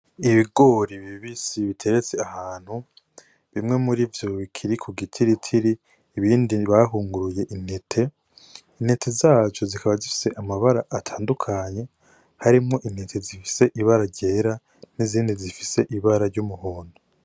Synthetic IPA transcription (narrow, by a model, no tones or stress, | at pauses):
iβiɡo̞ɾiβiβisiβitʰe̞ɾet͡se̞ahaːn̥hu | βimŋe̞muɾivjo̞βikʰiɾikʰuɡitʰiɾitʰiɾiː | βiːndiβaɦuːŋɡuɾuje̞ʔin̥etʰe̞ | in̥etʰe̞zaːt͡ʃo̞zikaβazifi̥se̞ʔamaβaɾaʔːtʰaːndukʰaɲe̞ | haɾimŋo̞ʔine̞tʰe̞zifi̥se̞ʔiβaɾaɾɟe̞ːɾa | niziːndizifi̥se̞ʔiβaɾaɾɟumuhoːndu